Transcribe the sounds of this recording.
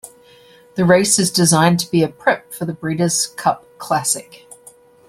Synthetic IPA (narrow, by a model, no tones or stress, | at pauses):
ðəɹeɪsɨzdɪzãɪ̃ntʰəbiɨpʰɹ̥ɪp̚fəðəbɹiɾəz̥kʰʌp̚kʰl̥æsɪk